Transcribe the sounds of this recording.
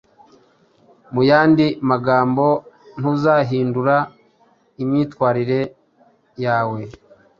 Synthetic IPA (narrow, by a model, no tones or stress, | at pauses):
mujaːndimaɡaːmbo̞ | n̥uzaːɦiːnduɾa | imɲiːtkwaːɾiɾe̞ | jaːwe̞